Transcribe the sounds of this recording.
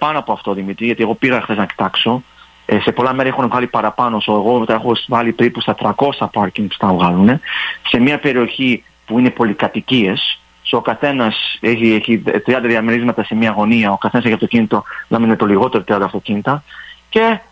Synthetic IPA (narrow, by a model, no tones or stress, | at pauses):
pɐnoɐpo̞ɐft̪o̞ːðimit̪ɾiʝɐt̪ieɣo̞piɣɐxθe̞znɐci̥t̪ɐkso̞ | se̞po̞lɐme̞ɾɐexunevɣɐlipɐɾɐpɐnosoeɣo̞t̪exosvɐlipeɾipust̪ɐt̪ɾɐko̞sɐpɐɾciŋɡst̪ɐvɣɐlune̞se̞miɐpe̞ɾio̞çi | puine̞po̞likɐt̪icie̞s | sokɐθe̞nɐse̞çieçit̪ɾiɐnd̪ɐðiɐmeɾizmɐt̪ɐse̞mɲɐɣo̞niɐo̞kɐθe̞nɐse̞çiɐft̪o̞cinit̪o̞lɐmenet̪o̞liɣo̞t̪e̞ɾot̪ɾiɐnd̪ɐft̪o̞cinit̪ɐce̞